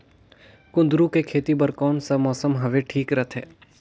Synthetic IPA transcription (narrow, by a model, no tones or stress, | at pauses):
kʊ̃nd̪ɾũkekʰeːt̪ibɐɾkɔːnsamɔːsəmɦɐʋeʈʰiːkɾɐt̪ʰɦɛː